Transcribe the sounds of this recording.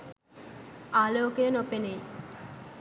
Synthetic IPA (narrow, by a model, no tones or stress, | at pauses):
aːloːkenopenej